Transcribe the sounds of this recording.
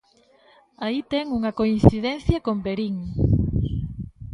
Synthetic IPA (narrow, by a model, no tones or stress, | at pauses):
ait̪ɛŋuŋɐkoin̟θiðɛn̟θjɐkombeɾiŋ